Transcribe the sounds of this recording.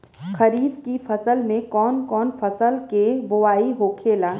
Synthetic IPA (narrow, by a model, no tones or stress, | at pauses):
kʰɐɾiːbkifʰɐsəlmẽkɔːnkɔːnfɐsəlkebʊʋaːiɦokʰeːlaː